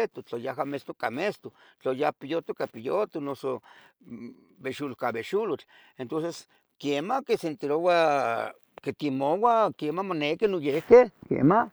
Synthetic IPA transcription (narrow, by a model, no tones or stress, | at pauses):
et̪ot͡ɬojakamest̪okamest̪o | t͡ɬojapijot̪okapijot̪onoso | beʃulukabeʃulut͡ɬ | ent̪onses | kemakesent̪eɾowa | ket̪imowakemamonekenojehkekḛma